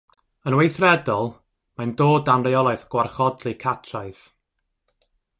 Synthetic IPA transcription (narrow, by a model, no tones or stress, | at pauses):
ənwejθrɛdɔlˠ | majndoːdanrejɔlˠaɨθɡ̥warχɔdlˠikʰatʰraɨθ